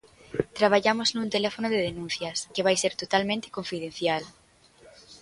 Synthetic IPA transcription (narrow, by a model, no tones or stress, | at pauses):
t̪ɾaβ̞aʎamoznunt̪elɛfonoðeðenũn̟θjɐskeβ̞ajseɾt̪ot̪almẽnt̪e̥koɱfið̞en̟θjal